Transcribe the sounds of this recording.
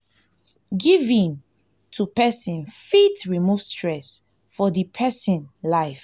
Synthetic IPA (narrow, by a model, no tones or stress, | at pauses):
ɡivĩn | tʰupɛsĩnfitɹimuvstɹɛs | fɔdipʰɛsĩnlaɪf